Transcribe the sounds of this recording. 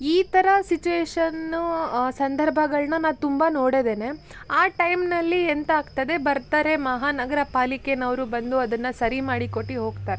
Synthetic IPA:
iːt̪ɐɾɐsit͡ʃuʋeːʃɐnusɐnd̪ʱɐɾbʱɐɡɐɭnɐnaːʋt̪umbɐno̞ːɽed̪ene̞ | aːʈɐjmnɐlːient̪aːɡt̪ɐd̪e̞bɐɾt̪aːɾe̞mɐɦaːnɐɡɐɾɐpaːlikenɐʋɾubɐnd̪uɐd̪ɐnːɐsɐɾimaːɽikoʈːiɦo̞ːɡ̚t̪aːɾe

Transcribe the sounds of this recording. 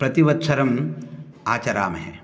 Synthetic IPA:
pɾɐt̪iʋɐt̪sɐɾɐm | aːt͡ʃɐɾaːmɐɦḛ

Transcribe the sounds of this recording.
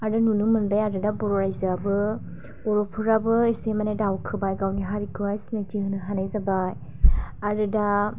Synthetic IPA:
aɾɯnunumɯnbajaɾɯdabɔɾɔɾajzɯabɯ | ɔɾɔpʰɯɾabɯisemanedawkʰɯbajɡawniɦaɾikʰɯajsinad͡ʒiɦɯnɯɦanajzabaj | aɾɯda

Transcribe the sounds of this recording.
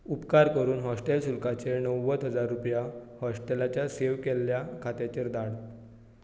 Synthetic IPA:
upkaɾkəɾuːnɦɔsʈelsulkat͡senəwːət̪ɦəd͡zaɾːupjahɔsʈelat͡ɕjaseʋkelːjakʰat̪jat͡ɕeɾd̪aɽ

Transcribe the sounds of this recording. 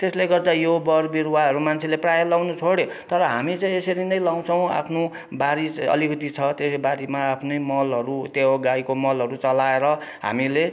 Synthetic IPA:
t̪esleɡʌrd̪ajobʌrbiɾwaɦʌɾumant͡sʰeleprajʌlawnut͡sʰoɽe | t̪ʌɾʌɦamit͡sʌĩesʌɾinʌjlaw̃t͡sʰʌw̃a̰pʰno | baɾiʌ̰likʌt̪it͡sʰʌt̪esebaɾimaːpʰnʌjmʌlɦʌɾut̪eoɡaikomʌlɦʌɾut͡sʌlaeɾʌɦa̰mile

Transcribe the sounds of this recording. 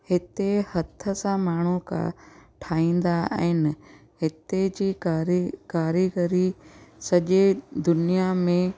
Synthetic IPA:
hɪt̪ehɐt̪ʰə̆sãmaːɳ̤uka̰ʈʰaːĩːn̆d̪aa̰ːɦɪnɪɦɪt̪ed͡ʑiːɾkaːɾiɡəɾisɐʄed̪ʊnijamẽ

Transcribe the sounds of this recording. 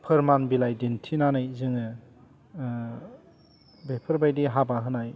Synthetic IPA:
pʰɯɾmanbilajdintʰinanajzɯŋɯ | bepʰɯɾbajdiɦabaɦɯnaj

